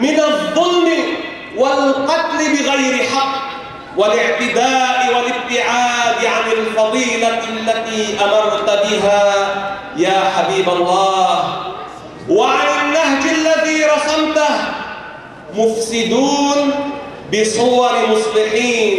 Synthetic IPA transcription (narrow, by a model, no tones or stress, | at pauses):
mɪnaðˤːʊlmɪ | walqɑt̪lɪbɪɣajɾɪħɑqː | walɪʕt̪ɪd̪aːʔɪwalɪb̚t̪ɪʕaːd̪ɪʕanɪlfɑðˤiːlaalːat̪iːʔamɑɾˤt̪bɪɦaː | jaːħabiːbalːɑːh | waʕananːahd͡ʒalːat̪iːɾˤɑsamt̪ah | mʊfsɪd̪uːn | bɪsˤʊwɑɾmʊsˤlɪħiːn